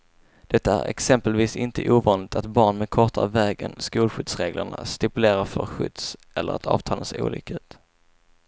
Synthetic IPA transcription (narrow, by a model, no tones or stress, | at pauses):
d̪̥ɛt̪ːaæɾɛ̰ksɛmpəlviːsɪnt̪ʰəʔuːvɑːnlɪɡ̚t̪ʰat̪bɑːɳmɛkʰɔʈa̰vɛːɡənskuːlɧʏd̪sɾeːɡləɳa̰st̪ɪpɵleːɾafœɾɧʏd̪̥sʔɛlːəɾat̪ʰɑ̰ːv̥t̪ʰɑːlənsṵːlʏ̰ːkaʉ̟ːt̪